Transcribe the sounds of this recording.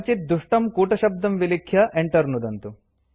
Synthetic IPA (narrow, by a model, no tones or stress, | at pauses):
t͡ʃit̪̚d̪uʂʈɐmkuːʈɐʃɐb̚d̪ɐmʋilikʰjɐʔeɳʈɐɾnud̪ɐnt̪u